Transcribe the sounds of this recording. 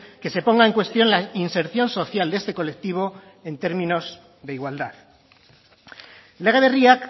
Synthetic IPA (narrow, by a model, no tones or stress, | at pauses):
ke̞se̞po̞ŋɡae̞ŋkwe̞st̪jõ̞nlainse̞ɾθjo̞nso̞θjald̪e̞st̪e̞ko̞le̞k̚t̪iβ̞o̞ | e̞nt̪e̞ɾmĩno̞z | ðeiɣwald̪að | leɣaðeriak